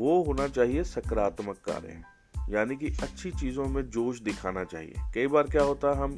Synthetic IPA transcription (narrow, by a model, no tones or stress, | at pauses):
ʋoːɦoːnat͡ʃaːɦiesɐkɾaːt̪məkːa̰ːɾḛ̃ | jaːnikiɐtːʃʰit͡ʃiːzõmẽd͡ʒoːʃ̬d̪ɪkʰaːnat͡ʃa̰ːɦḭḛːkɐibaːɾkjaːɦoːt̪aɦɛɦɐm